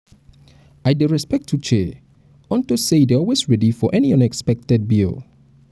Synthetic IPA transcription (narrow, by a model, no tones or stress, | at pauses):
aɪdeɹɛspɛk̚tʰːut͡ʃʰɛ | ɔ̃ntoseɪdɛɔlˠwesɹɛdifɔʔɛniʌ̃nɛkspɛk̚tɛd̚bil